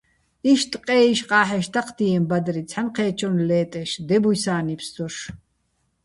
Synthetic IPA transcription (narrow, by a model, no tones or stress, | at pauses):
iʃt̪ʼqʼɛːiʃqʼaːħɛʃt̪ʰaqʰd̪iɛmbad̪ɾit͡sʰħanqʰɛːt͡ʃʰɔnlɛːt̪ʼɛʃd̪ɛbujsaːnipʰsd̪ɔʃ